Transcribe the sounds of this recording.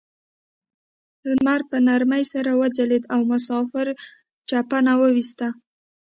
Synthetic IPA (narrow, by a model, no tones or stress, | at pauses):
maɾpənaɾməjsaɾawəd͡zaled̪awmʊsɑfɪɾ | t͡ʃapanawəwist̪a